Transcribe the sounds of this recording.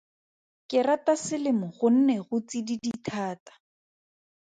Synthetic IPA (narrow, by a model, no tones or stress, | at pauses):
kɪratasɪlɪmʊχʊn̩nɛχʊt͡sididitʰaːtḁ